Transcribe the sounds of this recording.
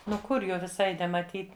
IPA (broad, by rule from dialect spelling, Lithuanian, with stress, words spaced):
ˈnʊ ˈkʊr ˈjoː ʋʲɪˈsɐɪ nʲɛmɐˈtʲiːt